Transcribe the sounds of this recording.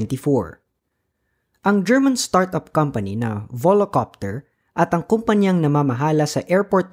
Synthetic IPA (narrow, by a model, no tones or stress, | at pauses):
nt̪ɪfoɹ | ʔɐŋd͡ʒɛɹmɐnst̪aɹt̪ɐp̚kɐmpɐninɐ̰volokap̚t̪ɛɹ | ʔɐt̪ɐŋkompɐɲjaŋnɐmamɐɦaːlɐsɐʔɛɹpoɹt̪̚